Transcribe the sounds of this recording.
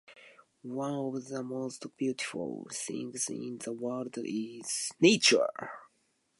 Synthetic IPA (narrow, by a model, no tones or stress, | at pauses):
wʌ̃nɔvðəmostb̥jutɪflˠθɪ̰̃ŋzɪɪ̰̃nðəwɜldɪz̥net͡ʃə̰˞